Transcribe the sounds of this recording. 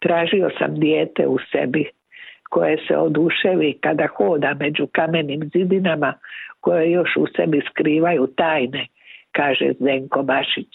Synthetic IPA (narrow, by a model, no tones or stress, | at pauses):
t̪ɾaːʒio̞sa̰md̪jeːt̪ḛusḛbi | ko̞je̞sḛod̪uʃeʋikad̪axo̞ːd̪ame̞d͡ʑukameniːmzid̪inamakojejo̞ʃusebiskɾiːʋajut̪aːjne̞ | kaːʒḛzd̪eŋko̞baʃit͡ɕ